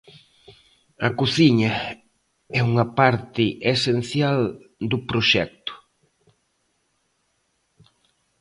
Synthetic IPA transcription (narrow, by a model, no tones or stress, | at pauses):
ɐkoθiɲɐ | ɛuŋɐpaɾt̪ɪʔesen̟θjald̪ʊpɾoʃɛ̰k̚t̪ʊ̥